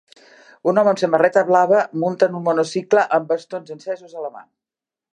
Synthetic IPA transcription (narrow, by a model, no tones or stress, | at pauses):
unɔməmsəmərɛt̪əβlaβəmunt̪ənunmɔnosikləʔəmbəst̪onzənsɛzuzələma̰n